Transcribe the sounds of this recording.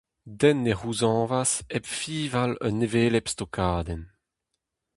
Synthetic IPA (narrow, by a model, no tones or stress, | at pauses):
dɛnːeʁuzɑ̃ːvasɛpfiːvalœ̰nːeveːlɛpst̪okʰaːd̪ɛn